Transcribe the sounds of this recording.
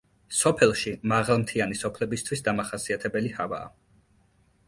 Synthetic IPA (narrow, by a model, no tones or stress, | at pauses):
sɔpʰɛlˠʃimaʁalˠmt̪ʰianisɔpʰlɛbist̪ʰwisd̪amaχasiat̪ʰɛbɛlihava̰ː